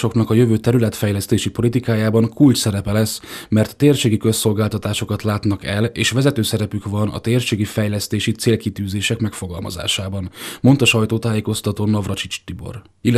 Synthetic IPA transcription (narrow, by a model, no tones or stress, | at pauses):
ʃo̞knɒkɒjø̞vøːt̪ɛɾylɛt̪fɛjlɛst̪eːʃipo̞lit̪ikaːjaːbɒŋkult͡ʃsɛɾɛpɛlɛsmɛrt̪ːeːrʃeːɡikø̞so̞lɡaːlt̪ɒt̪aːʃo̞kɒt̪laːt̪nɒkɛleːʃʋɛzɛt̪øːsɛɾɛpykvɒnɒ̰t̪eːrʃeːɡifɛjlɛst̪eːʃit̪seːlkit̪yːzeːʃɛkmɛkfo̞ɡɒ̰lmɒ̰za̰ːʃaːbɒnmo̞nt̪ɒʃɒjt̪oːt̪aːjeːko̞st̪ɒt̪oːnɒvrɒt͡ʃit͡ʃt̪ibo̞̰r | il